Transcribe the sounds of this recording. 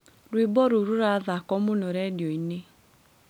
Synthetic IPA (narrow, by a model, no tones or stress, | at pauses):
ɾwebɔɾoɾuɾaðakɔmonɔɾɛdjɔine